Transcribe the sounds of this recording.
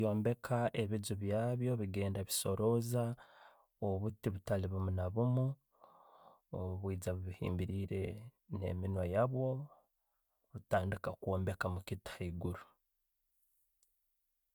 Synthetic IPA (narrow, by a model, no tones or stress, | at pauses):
jo̞ːmbe̞kʰaʔe̞βizuβjaːβjo̞βiɡe̞ːndaβiso̞ɾo̞za | oβutiβutaliβumunaβumu | ouβwiːd͡zaβuβihḭːmbiɾiːɾe̞ne̞̰minwajaβwo̞ | βutaːndikakuo̞ːmbe̞kamukithiːɡuɾu